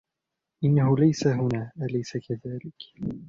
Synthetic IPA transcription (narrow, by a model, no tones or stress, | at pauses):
ʔɪnːahʊlajsaɦʊnaːʔalajsakaðaːlɪk